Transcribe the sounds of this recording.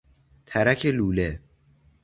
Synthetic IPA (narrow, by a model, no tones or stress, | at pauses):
t̪ʰæɾækʰeluːle